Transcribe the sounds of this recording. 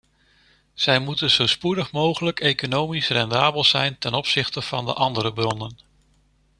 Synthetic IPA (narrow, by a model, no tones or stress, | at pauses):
z̥ɛjmutənzowspudəχmowχələkejkonowmisrɛndaːbəlˠz̥ɛjntɛnɔpsɪχtəv̥ɑndə̰ʔɑndəɾəbrɔnən